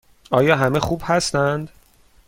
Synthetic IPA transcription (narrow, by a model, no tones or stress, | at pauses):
ɒːjɒːɦæmexuːbhæst̪ænd̪